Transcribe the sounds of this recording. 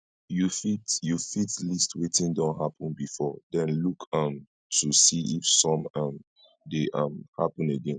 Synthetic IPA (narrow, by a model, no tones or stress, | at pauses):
jufitjufitlistwetĩndɔ̃nɦapə̃nbifɔdɛ̃nlukʰãm | tʰusiʔifsɔ̃mãm | deʔãmhapə̃neɡɛ̃n